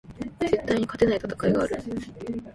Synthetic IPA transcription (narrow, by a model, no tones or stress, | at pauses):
ze̞t̪ːaiɲ̟ikat̪e̞nait̪ḁt̪ḁkaiɡaːɾɯ̟